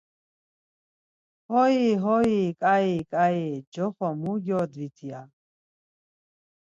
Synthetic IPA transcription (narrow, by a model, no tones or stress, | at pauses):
hɔiɦɔikʼaikʼaid͡ʒɔχamuɡɔd̪vit̪ʰia